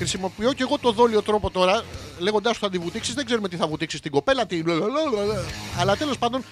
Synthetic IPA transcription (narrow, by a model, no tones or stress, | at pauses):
xɾisimo̞pio̞ceɣo̞t̪o̞ðo̞lio̞t̪ɾo̞po̞t̪o̞ɾɐle̞ɣond̪ɐst̪oɐnd̪ivut̪iksizðe̞ɡzeɾumet̪iθɐvut̪iksist̪iŋɡo̞pe̞lɐt̪inlololɐlɐt̪e̞lo̞spɐnd̪o̞n